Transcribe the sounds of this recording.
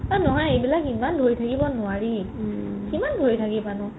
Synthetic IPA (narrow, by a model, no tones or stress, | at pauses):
anɔɦɔjejbilakimandʱojtʰakibɔnʊwaɹi | kimandʱojtʰakibanʊ